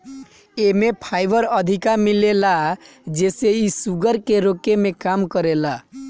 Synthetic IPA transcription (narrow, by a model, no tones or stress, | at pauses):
emepʰajbəɾəd̪ʱikamilela | d͡ʒeseisuɡəɾkeɾokemekamkəɾela